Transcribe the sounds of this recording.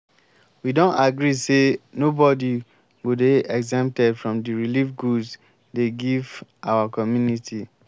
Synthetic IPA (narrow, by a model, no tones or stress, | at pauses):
widõntaɡɾisenobɔdi | ɡudeɛɡzɛ̃mtɛdfɹɔ̃mdiɹilifɡus | deɡivʔawakɔmjunitʰi